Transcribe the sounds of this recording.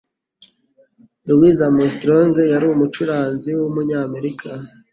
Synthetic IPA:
iwizamostɾoŋɡejaɾiumut͡ʃuɾaːnziwumuɲaːme̞ɾikʰa

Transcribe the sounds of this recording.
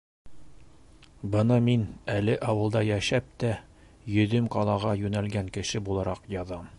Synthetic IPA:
bɤnɑminælɘʔɒwɤ̆lˠd̪ɑjæʃæp̚t̪æ | jɵ̆ðɵmqɑlˠɑʁɑjʉnælɡæŋkɘ̆ʃɘbulˠɑɾɑqjɑðɑm

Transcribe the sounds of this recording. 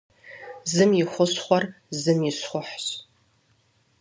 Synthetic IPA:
zɨmjɪχʷʊsχʷɔr | zɨmjɪɕχʷʊħɕ

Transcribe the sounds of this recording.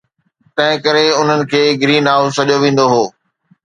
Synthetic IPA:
t̪ɐ̃ɦɪ̃kɐɾeʊn̤ənɪ̆kʰeːɡɾiːnaːʊzsɐʄjoʋẽːn̆d̪oɦoː

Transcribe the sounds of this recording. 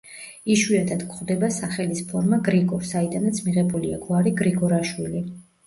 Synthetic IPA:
iʃwiat̪ʰat̪kʰʼχwd̪ɛbasaχɛlispʰɔɾmaɡɾikʼɔɾsaid̪anat̪sʰmiʁɛbulia̰ɡwaɾiɡɾiɡʼɔɾaʃwili

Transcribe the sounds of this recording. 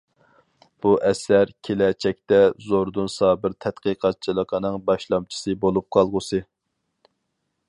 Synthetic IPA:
b̥uʔɛsæɾkʲʰelɛt͡ʃʰɛk̚ʲt̪ɛzoɾd̪unsɑbɪɾt̪ʰɛt̪qəqʰɑt̪̚t͡ʃʰilˠəqʰənɨŋbɑʃlˠɑmt͡ʃʰi̥sɨbolˠup̚qʰɑlˠʁʊsɨ

